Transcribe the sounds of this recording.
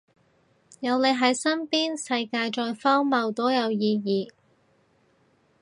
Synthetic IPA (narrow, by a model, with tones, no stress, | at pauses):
jɐ˨˧wne˨˧jɦɐ˨˥jsɐ˥npiː˥nsɐ˧jkaː˧jt͡ʃɔː˧jfɔː˥ŋmɐ˨˧wt̪oː˨˥jɐ˨˧wjiː˨˧jiː˨˧